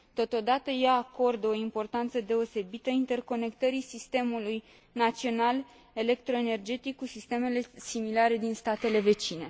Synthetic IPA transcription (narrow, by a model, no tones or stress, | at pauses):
t̪o̞t̪o̞d̪at̪əjaːko̞rd̪o̞impo̞rt̪ant̪səd̪e̞o̞se̞bit̪əint̪e̞rko̞ne̞kt̪əɾisist̪e̞muluj | nat̪sio̞nal | e̞le̞kt̪ɾo̞ene̞rd͡ʒe̞t̪ikːusist̪e̞me̞le̞similaɾe̞d̪inst̪at̪e̞le̞ve̞t͡ʃine̞